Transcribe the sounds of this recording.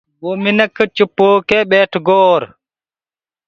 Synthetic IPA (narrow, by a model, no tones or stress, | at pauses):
buminɛkːt͡ʃupːoːkɛɓɛːtɡɔːɾ